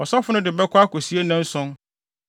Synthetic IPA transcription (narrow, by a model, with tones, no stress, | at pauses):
ɔ˨sɔ˦fʊ˦nʊ̃˦dɪ˨bɛ˦kʷʰʊ˦a˦ko˨si˦e˦nã˦n̩˦sʊ̃˦n